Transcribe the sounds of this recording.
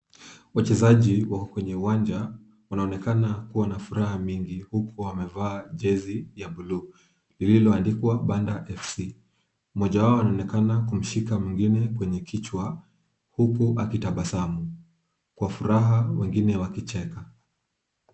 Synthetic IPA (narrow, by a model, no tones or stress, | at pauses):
wat͡ʃɛzaʄiwakɔkwɛɲɛuwaɲd͡ʒa | wanaɔnɛkanakuwanafuɾahamiŋɡihukuamɛvaːʄɛzijaɓulu | lililɔandikwaɓandaʔɛfsi | mɔʄawaɔwanaɔnɛkanakum̩ʃikamiŋɡinɛkwɛɲɛkʰit͡ʃwa | hukuʔakitaɓasamu | kwafuɾaɦawɛŋɡinɛwakit͡ʃɛka